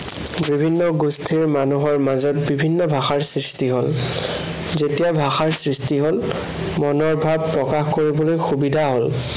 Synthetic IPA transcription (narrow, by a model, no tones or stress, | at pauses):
bibʱinːɔɡustʰiɹmanuɦɔɹmazɔtbibʱinːɔbʱaxaɹsɹistiɦol | zetijabʱaxaɹsɹistiɦol | mɔnɔɹbʱabpɹɔkaxkoɹibɔlojxubidʱaɦol